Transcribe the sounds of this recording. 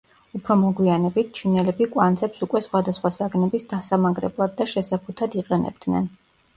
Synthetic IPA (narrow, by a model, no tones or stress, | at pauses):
upʰɾɔmɔɡwianɛbit̪̚ʰt͡ʃʰinɛlɛbikʼwant̪zɛpsukʼwɛsχwad̪asχwasaɡnɛbisd̪asamaɡɾɛ̰blˠad̪̚ːaʃɛsapʰut̪ʰad̪iqʼɛnɛ̰bd̪̥nɛ̰n